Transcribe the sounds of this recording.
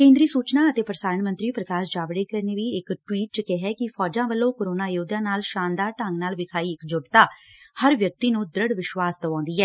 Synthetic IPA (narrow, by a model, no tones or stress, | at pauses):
kẽːnd̪ɾiːsuːt͡ʃnaːət̪eːpɾəsaːɾəɳmənt̪ɾiːpɾəkaːʃd͡ʒaːʋɽeːkəɾneːʋiːɪkʈwiːʈ̚t͡ʃkɛɦɛːkɪpʰɔːd͡ʒãːʋəlːõːkoːɾoːnaːɪjoːd̪ãːnaːlʃaːnd̪aːɾʈəŋɡnaːlʋɪkʰaːiːɪkd͡ʒʊʈt̪aːhəɾʋjək̚t̪iːnũːd̪ɾəɽʋɪʃʋaːsd̪əʋãːnd̪iːɛː